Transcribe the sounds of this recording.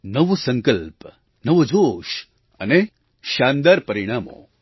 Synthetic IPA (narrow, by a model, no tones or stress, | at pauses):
nɐʋosɐŋkɐlp | nɐʋod͡ʒoːʃ | ɐ̰ne | ʃaːnd̪aɾpɐɾiɽ̃aːmo̰ː